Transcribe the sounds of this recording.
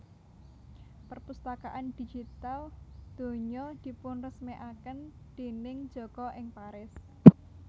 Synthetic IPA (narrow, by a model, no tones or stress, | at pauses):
pərpust̪akaʔand̪̥i̤d͡ʒ̥it̪ald̪̥o̤ɲɔd̪̥i̤pʊnrəsmeʔakən | d̪̥enɪŋ̥d͡ʒ̥ɔ̤ɡ̥ɔʔɪŋpaɾɪs